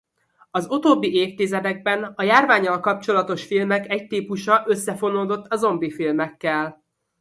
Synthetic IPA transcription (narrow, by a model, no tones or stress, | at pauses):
ɒzut̪oːbːiʔeːft̪izɛd̪ɛɡ̚bɛnɒjaːrvaːɲːɒlkɒp̚t͡ʃo̞lɒt̪o̞ʃfilmɛkɛc̚t̪iːpuʃɒʔø̞sːɛfo̞noːd̪o̞t̪ːɒzo̞mbifilmɛkːɛl